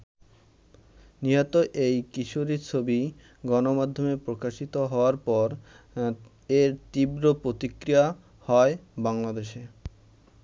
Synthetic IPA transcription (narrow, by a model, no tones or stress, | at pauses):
niɦot̪oʔejkiʃoɾit͡ɕʰobi | ɡɔnomad̪ʱːomepɾokaʃit̪oɦɔoaɾpɔɾ | eɾt̪ibɾopɾot̪ikɾija | hɔebaŋlad̪eʃe